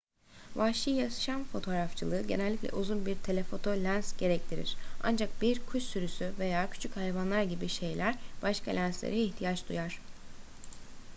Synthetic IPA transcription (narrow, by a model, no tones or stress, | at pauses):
vaʃijasʃanfo̞t̪ʰo̞ːɾaft͡ʃʰɯlˠɯːɟe̞nɛlʲːiclʲɛ̰ʔuzunbiɾt̪ʰe̞lʲefo̞t̪ʰo̞lʲænsɟ̥e̞ɾɛc̚t̪ʰiɾḭɾ̥a̰nd͡ʒak̚biɾkʰuʃsyɾysyve̞jaːcʰy̥t͡ʃʰychajvanlˠaɾɟibiʃe̞jlʲʔæɾb̥aʃkalʲænslʲḛɾɛiçt̪ʰijat͡ʃd̪ujaɾ̥